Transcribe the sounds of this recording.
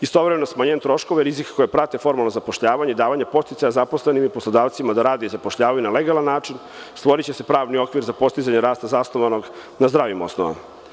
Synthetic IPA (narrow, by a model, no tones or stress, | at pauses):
ist̪o̞ʋɾemenosmaɲent̪ɾo̞ʃko̞ʋeɾizikko̞japɾat̪e̞fo̞ɾmalˠnozapo̞ʃʎaːʋaɲeid̪aːʋaɲapo̞st̪it̪ajazaposle̞nimiposlˠod̪aːʋt̪simad̪aɾaːd̪eizapoʃʎaːʋajunaleɡalanːaːt͡ʃin | st̪ʋo̞ɾit͡ɕese̞pɾaːʋnio̞kʋiɾzapo̞st̪izaɲeɾaːst̪azast̪oʋano̞ɡnazd̪ɾaːʋimo̞̰snoʋa̰ma̰